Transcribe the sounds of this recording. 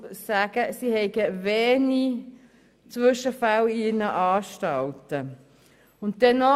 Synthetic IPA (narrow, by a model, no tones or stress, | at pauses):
sæɡ̥əsihɛɪɡəvɛːni | t͡sʋʏʃəfaliːnəʔɑːʃtɑltə | ʊnt̚dɛnɔ